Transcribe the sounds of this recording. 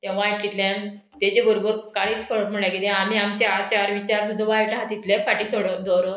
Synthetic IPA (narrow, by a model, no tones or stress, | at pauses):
t̪ɛ̃ʋãʈkit̪lãn | t̪ed͡ʑeɡʱəɾbəɾkaɽiːt̪kʰəɾəʈm̤əɳjãkit̪ẽam̤iamt͡ɕaɾt͡ɕaɾʋit͡ɕaɾsud̪ʱːaʋaiʈaɦat̪it̪ljẽfaʈisoɽəd̪oɾo